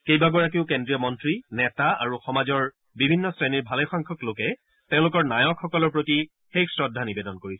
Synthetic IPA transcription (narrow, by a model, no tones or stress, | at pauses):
kejbaɡɔɹak̬iʊkendɹijɔmɔntɹinɛtaa̰ɹuxɔmazɔɹ | bibʱinːɔsɹeniɹbʱalɛxɔŋkʰɔklokɛ | tẽʊ̃lʊkɔɹnajɔkxɔkɔlɔɹpɹoti | xeksɹɔdʱːanibedɔnkoɹisɛ̥